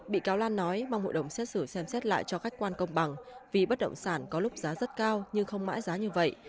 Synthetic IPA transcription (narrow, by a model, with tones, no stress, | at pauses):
ɓḭ˧˨kaː˨˦wlaː˧nːɔ˨˦jma˧wŋ͡mho̰˧˨jɗə˧˩wŋ͡msɛ˦˥t̚sɨ˧˩sɛ˧msɛ˦˥t̚la̰ː˧˨jt͡ɕɔ˧ka˦˥jk̟̚kwaː˧nkə˧wŋ͡mɓa˨˩ŋvi˨˩ɓə˦˥t̚ɗə̰˧˨wŋ͡msaː˧˩nkɔ˨˦lʊ˦˥k͡p̚zaː˨˦zə˦˥t̚kaː˧wɲɨ˧ŋxə˧wŋ͡mma̰ː˧˥jzaː˨˦ɲɨ˧və̰˧˨j